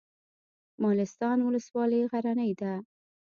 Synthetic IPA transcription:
mɑlɪst̪ɑnwʊləswɑləɣaɾanəjd̪a

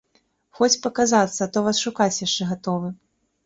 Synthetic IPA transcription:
xɔt͡sʲpɐkazat̪sːɐt̪ɔvasʂukat͡sʲjaʂt͡ʂɛɣat̪ɔvɨ

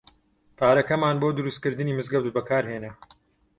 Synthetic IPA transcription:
pʰaːɾɐkɐmaːnboːd̪ʊɾust̪kɨɾd̪ɨniːmɨzɡɐwd̪ubɐkʰaːɾɦeːnɐ

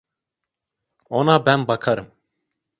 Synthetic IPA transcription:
onabænbakʰaɾɯm

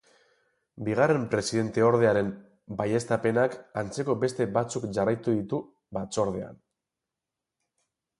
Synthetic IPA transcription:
biɣ̞are̞mpɾe̞siðe̞nt̪e̞o̞ɾð̞e̞aɾe̞m | baje̞st̪ape̞nakant͡se̞ko̞be̞st̪e̞bat͡sukʝarajt̪uðit̪u | bat͡so̞ɾð̞e̞a̰n

